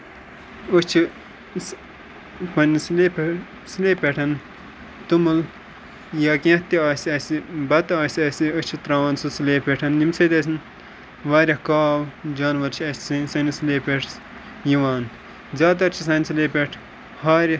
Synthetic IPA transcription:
ot͡ʃʰi | pɐnisle | sɨleːpʲeʈʰɐn | t̪umul | jaːkẽht̪iaːsɐsibɐt̪aːsʲɐsiot͡ʃʰit̪ɾaːʋɐnsɨsɨleːpʲeʈʰɐnjimsɐt̪ɐs̬ʲn | ʋaːɾʲɐhkaːʋd͡ʒaːnʋɐɾt͡ʃʰiɐsssɐnisleːpʲeʈʰs | jiʋaːn | zʲaːt̪̬ɐɾt͡ʃʰisɐnsleːpʲeʈʰ | haːɾʲ

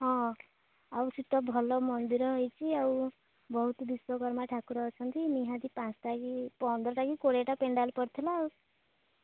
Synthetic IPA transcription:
ɦɔ̃ | awsiʈ̪ɔbʱɔlɔmɔnd̪iɾɔɦɔjt͡ʃʰiaw | bɔɦut̪ɔd̪iswɔɡɔɾmaʈʰakuɾɔɦɔt͡ʃʰɔnt̪iniɦãd̪ipãsɔʈakipɔnd̪ɾɔʈakikoɽeeʈapeɳɖalpɔɾt̪ʰilaːw

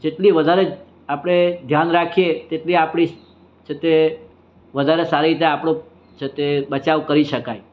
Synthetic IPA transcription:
d͡ʒeʈliʋəd̪ʱaɾed͡ʒ | apəɽ̃ed̪ʱjanɾakʰijet̪eʈliapɽ̃i | t͡ʃʰet̪e | ʋəd̪ʱaɾesaɾiɾit̪̬eapɽ̃o | t͡ʃʰet̪ebət͡ʃaʋkəɾiʃəkaj

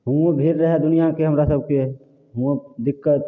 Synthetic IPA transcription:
ɦuõbʱiɾɾəɦɛd̪ʊnijakeɦəmɾasəb̚ke | ɦũd̪ɪkːət̪̚

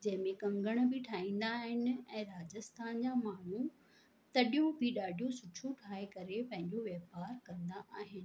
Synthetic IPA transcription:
d͡ʑɐ̃ɦɪ̃mẽkɐ̃ŋɡəɽ̃bɪʈʰaːĩːn̆d̪aːɦɪnɪ̆ɛ̃ːɾaːd͡ʑəst̪aːnd͡ʑaːmaːɳ̤u | t̪ɐɗijõbʱɪɗaːɖʱijõsʊʈʰoʈʰaːɦekɐɾepɐ̃ɦɪ̃ɲd͡ʑoʋjeːpaːɾkɐ̃nd̪aʔaːɦɪnɪ̆

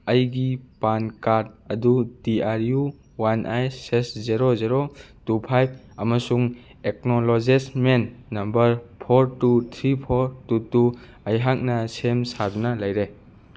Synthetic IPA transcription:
ɐjɡipankad̚ɐdudiaɾju | wanʔajsesziɾozeɾotupʰajb̚ʰ | ɐmɐsuŋ | ek̚nolozesmenːɐmbɐɾpʰoɾtut̪ʰɾipʰoɾtutu | ɐjɦak̚nɐsemsadunɐlɐjɾe

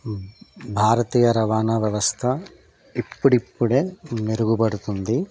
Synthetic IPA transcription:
bʱaːɾɐt̪iːjɐɾɐʋaːnɐʋjɐʋɐst̪ʰɐ | ipːuɽipːuɽeːmeɾuɡubɐɽut̪und̪i

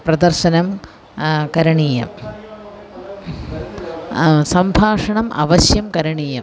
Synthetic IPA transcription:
pɾɐd̪ɐɾʃɐnɐm | kɐɾɐɳiːjɐ̰m | sɐmbʱaːʂɐɳɐmʔɐ̰ʋɐɕjɐmkɐɾɐɳiːjɐm

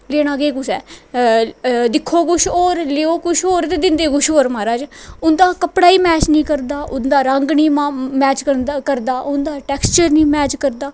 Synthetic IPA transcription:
leːɽ̃aːɡeːkʊsɛː | d̪ɪkʰːoːkʊʃoːɾleːoːkʊʃoːɾt̪eːd̪ɪnd̪eːkʊʃoːɾmaːɾaːd͡ʒʊnd̪aːkəpɽaːiːmɛːt͡ʃnĩːkəɾd̪aːʔʊnd̪aːɾəŋɡnĩːmamɛːt͡ʃkəkəɾd̪aːʔʊnd̪aːʈɛːkst͡ʃəɾnĩːmɛːt͡ʃkəɾd̪aː

